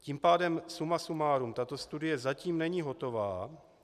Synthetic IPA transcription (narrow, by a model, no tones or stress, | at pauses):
cimpaːdɛmsumasumaːɾumt̪at̪o̞st̪udɪjɛzaciːmnɛɲiːɦo̞t̪o̞vaː